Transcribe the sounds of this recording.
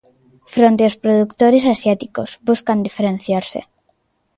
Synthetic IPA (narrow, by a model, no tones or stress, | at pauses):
fɾont̪eospɾoðukt̪oɾesasjat̪ikozbuskand̪ifeɾẽn̟θjaɾsḛ